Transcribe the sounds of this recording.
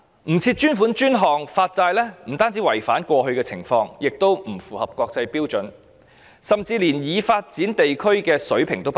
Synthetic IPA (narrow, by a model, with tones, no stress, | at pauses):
m̩˨˩t͡sʰiː˧t̚t͡ʃyː˥nfuː˨˥nt͡ʃyː˥nɦɔː˨˩ŋfaː˧t̚t͡saː˧jlɛː˥m̩˨˩t̪aː˥nt͡siː˨˥wɐ˨˩jfaː˨˥nkʷɔː˧ɦɵ˧ɥkɛː˧t͡sʰɪ̰˨˩ŋfɔː˧ŋjɪ˨k̚t̪o˥wm̩˨˩fuː˨˩hɐ˨p̚kʷɔː˧k̚t͡sɐ˧jpiː˥wt͡sɵ˨˥n | sɐ˨mt͡siː˧liː˨˩njiː˨˧faː˧t̚t͡siː˨˥nt̪e˨jkʰɵ˥ɥkɛː˧sɵ˨˥ɥpʰɪ˨˩ŋt̪o˥wp